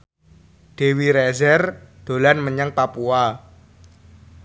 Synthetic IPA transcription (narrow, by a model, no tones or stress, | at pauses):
ɖ̥e̤wiɾɛzɛrd̪̥o̤lanməɲəŋpapua